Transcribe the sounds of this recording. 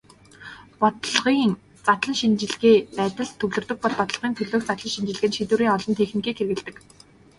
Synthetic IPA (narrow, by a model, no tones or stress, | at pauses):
pɔt̪ɮʁiːŋ | t͡sat̪ɮə̆nʃint͡ɕɪ̆ɮɣeːpæːt̪ə̆ɮt̪ʰːɵwɮɵ̆rt̪ɵ̆k̚pɔɮpɔt̪ə̆ɮʁiːnt̪ʰɵɮoːxt͡sat̪ɮə̆nʃint͡ɕɪ̆ɮɘ̆ɣɘ̆nʃit̪uːɾiːŋɔɮɞ̆nt̪ʰexnikiːkxeɾɣɘ̆ɮt̪ɘ̆k